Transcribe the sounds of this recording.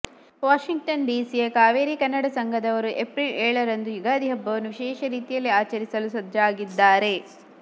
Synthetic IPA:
ʋaːʃiŋɡʈɐnɖiːsijɐkaːʋeːɾikɐnːɐɽɐsɐŋɡʱɐd̪ɐʋɐɾuʔepɾilɛːɭɐɾɐnd̪ujuɡaːd̪iɦɐbːɐʋɐnːuʋiʃɛːʃɐɾiːt̪ijɐlːiaːt͡ʃɐɾisɐlusɐd̪ʱjɐaːɡid̪ːaːɾe̞

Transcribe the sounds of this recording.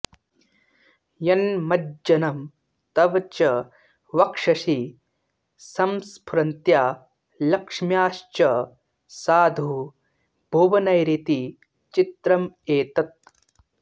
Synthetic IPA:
jɐnmɐd͡ʒɐnɐm | t̪ɐʋɐt͡ʃɐ | ʋɐkʂɐʃi | sɐmspʰɾɐnt̪jaː | lɐkʂmjaːʃt͡ʃɐ | saːd̪ʱu | bʱoʋɐnɐjɾit̪i | t͡ʃit̪ɾɐmeːt̪ɐt̪̚

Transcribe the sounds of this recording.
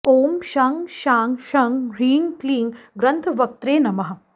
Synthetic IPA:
oːmʃaːŋʃaːŋʃɐŋɡɾiːnkliːŋɡɾɐnt̪ʰɐʋɐk̚t̪ɾeːnɐmɐɦɐ̆

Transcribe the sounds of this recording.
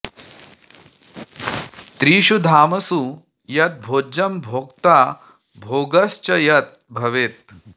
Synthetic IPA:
t̪ɾiːʃud̪ʱaːmɐsu | jɐt̪̚bʱoːd͡ʑɐmbʱoːkt̪a | bʱoːɡɐst͡ɕɐjɐt̪̚bʱɐʋeːt̪̚

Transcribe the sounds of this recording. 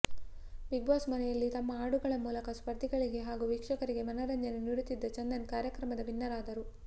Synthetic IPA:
ʋiɡʋaːsmɐnɛjɐlːit̪ɐmːɐaːɽuɡɐɭɐmuːlɐkɐspɐɾt̪iɡɐɭiɡe̞ɦaːɡuʋiːkʂɐkɐɾiɡe̞mɐnɐɾɐɲd͡ʒɐneniɾut̪id̪ːɐt͡ʃɐnd̪ɐnkaːɾjɐkɾɐmɐd̪ɐʋinːɐɾaːd̪ɐɾu

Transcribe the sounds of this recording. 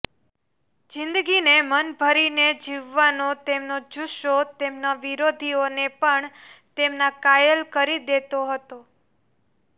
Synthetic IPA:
d͡ʒɪnd̪ɡinemənbʱəɾined͡ʒiʋːanot̪emnod͡ʒuʃot̪emnaʋiɾod̪ʱionepəɳt̪emnakajəlkəɾid̪et̪oɦət̪o

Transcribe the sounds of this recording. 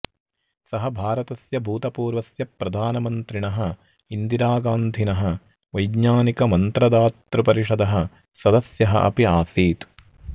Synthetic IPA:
sɐɦɐbʱaːɾɐt̪ɐsjɐbʱuːt̪ɐpuːɾʋɐsjɐpɾɐd̪ʱaːnɐmɐnt̪ɾiɳɐɦɐ | ind̪iɾaːɡaːnd̪ʱinɐɦɐ | ʋɐjɡɲaːnikɐmɐnt̪ɾɐd̪aːt̪ɾɐpɐɾiʂɐd̪ɐɦɐ̆ | sɐd̪ɐsjɐɦɐ̰ʔɐ̰piaːsiːt̪

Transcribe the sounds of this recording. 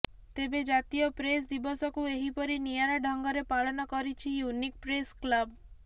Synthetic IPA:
t̪ebed͡ʒat̪ijɔpɾes̬d̪ibɔsɔkueɦipɔɾinijaɾaɖʱɔŋɡɔɾepaɭɔnɔkɔɾit͡ʃʰijunik̚pɾesklab

